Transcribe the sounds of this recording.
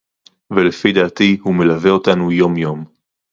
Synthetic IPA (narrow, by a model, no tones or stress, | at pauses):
velefid̪aːt̪ihume̞laveo̞tanujo̞mjo̞m